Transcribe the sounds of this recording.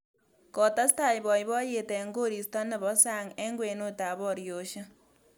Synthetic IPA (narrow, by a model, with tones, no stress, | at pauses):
kɔ˨ta˦sta˦˨ibɔ˨jβɔ˦je˨tɛŋɡo˦ɾi˨sta˦nɪ˨βɔ˦saŋɛ˦ŋɡwe˨no˦ta˨βɔɾjo˨ʃa˦